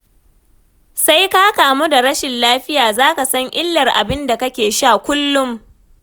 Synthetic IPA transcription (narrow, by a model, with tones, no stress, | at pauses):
sa˦jkaː˦kaː˨mu˦da˨ɽɐ˦ʃɪ˨nlaː˦ɸɪ˦jaː˨zaː˦ka˨sɐ˦ŋʔɪ˦lːɐ˨rʔa̰˨bɪ˦nda˨kɐ˦kʲeː˨ʃa˦˨kʷʊ˦lːʊ˦m